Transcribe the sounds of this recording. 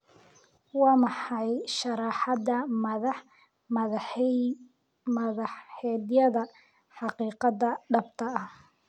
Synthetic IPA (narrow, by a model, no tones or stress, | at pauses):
wɑːmɑħɑjʃɑɾɑːħɑd̪ɐ | m | mɐðɑħɛd̪jɐðɐ | ħɑqiːqɑðɐɖɐbt̪ʰɐːh